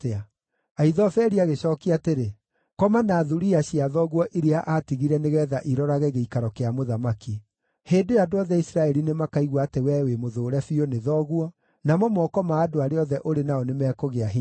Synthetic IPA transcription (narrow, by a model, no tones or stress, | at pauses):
a | aiðɔfɛɾiaɣeɕɔːkiateɾe | kɔmanaːðuɾiaɕiaðɔɣwɔʔiɾeaʔatiɣiɾɛneɣɛːðaʔiɾɔɾaɣɛɣeikaɾɔkeamoðamaki | heːdojaːdoɔðɛisɾaɛɾinemakaiɣwaːtewɛwemoðoːɾɛfioneðɔɣuɔ | namɔmɔkɔmaːdoaɾeɔðɛʔoɾenaɔnemɛkoɣeaɦi